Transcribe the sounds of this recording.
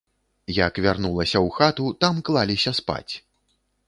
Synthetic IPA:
jɐkvʲarnulˠɐsʲɐwxat̪ut̪amklˠalʲisʲɐspa̰t͡sʲ

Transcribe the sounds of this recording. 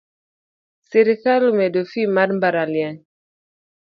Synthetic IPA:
seɾiθalumɛdofimadm̩baɾaljan

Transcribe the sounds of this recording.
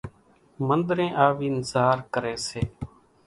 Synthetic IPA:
mənd̪ɾẽːʔaːʋiːnzaːɾkəɾeːseː

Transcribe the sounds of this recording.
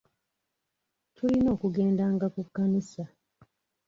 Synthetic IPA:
tʰulino̞ːkuɡe̞ːndaːŋɡakukːanisa

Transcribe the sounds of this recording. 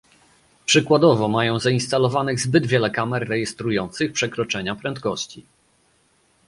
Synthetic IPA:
pʂɘkwad̪ɔvɔmajɔ̃w̃zainst̪alɔvanɘɣzbɘd̪vʲjɛlɛkamɛɾːɛjɛst̪ɾujɔnt̪sɘxpʂɛkɾɔt͡ʂɛɲapɾɛnt̪kɔɕt͡ɕi

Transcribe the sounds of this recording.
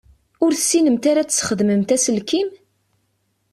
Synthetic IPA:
ʊɾθəsːinəmt̪aɾat͡ssχəðməmt̪æsəlkim

